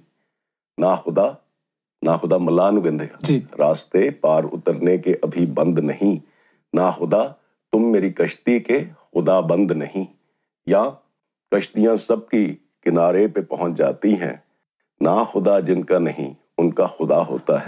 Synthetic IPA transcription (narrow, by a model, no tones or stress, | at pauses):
naxʊd̪a | naxʊd̪amɐlaːnʊʋɪ̃nd̪ʱed͡ʒiɾaːst̪epaːɾʊ̰t̪əɾnekeʔɐbʱibɐ̃nd̪nɐɦĩ | naxʊd̪a | t̪ʊmːeːɾikɐʃt̪ikexʊd̪abɐ̃nd̪nɐɦĩ | ja | kɐʃt̪ijãsɐb̚ki | kɪnaːɾepepɐɦʊ̃t͡ʃd͡ʒa̰ːt̪iɦɛ̰̃ː | naxʊd̪ad͡ʒɪnkanɐɦḭ̃ | ʊnkaxʊd̪aɦo̰ːt̪aɦɛ